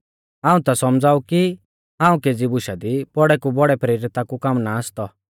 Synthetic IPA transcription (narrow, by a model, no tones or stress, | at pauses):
ãːũt̪asɔmd͡zaːuki | ãːũkeːd͡zibʊʃad̪ipɔɽɛkubɔɽɛpɾiːɾɪt̪akukamnaːst̪ɔ